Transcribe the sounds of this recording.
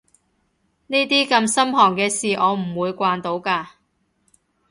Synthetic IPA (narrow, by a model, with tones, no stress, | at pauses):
niː˥t̪iː˥kɐ˧msɐ˥mɦɔː˨˩ŋkɛː˧siː˨ʔɔː˨˧m̩˨˩wuː˨˧jkʷaː˧nt̪o˨˧˥wkaː˧